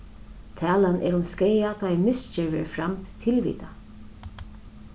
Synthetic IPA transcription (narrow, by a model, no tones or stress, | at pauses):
t̪ʰɛːlanʔɛ̰ːɾʊmskejat̪ʰɔːɛmɪst͡ʃɛɹvɛɹfɾamt̪ʰt̪ʰɪlvḭːt̪a